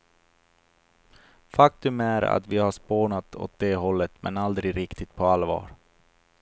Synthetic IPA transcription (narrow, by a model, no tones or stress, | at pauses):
fakt̪ɵmæːɾa̰t̪vɪhaʂpoːɳat̪ʰɔ̰t̪̚d̪eːɦɔlːət̪mɛ̰nald̪ɾɪɾɪkt̪ɪt̪̚pʰɔalvɑ̰ːɾ